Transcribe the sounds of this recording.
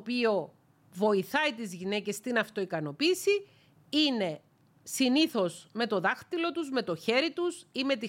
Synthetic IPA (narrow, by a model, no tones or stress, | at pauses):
pio̞ | vo̞iθɐit̪izʝine̞ce̞st̪inɐft̪o̞ikɐno̞piːsi | ine̞ | siniθo̞zme̞t̪o̞ðɐxt̪ilo̞t̪uzme̞t̪o̞çe̞ɾit̪usime̞t̪i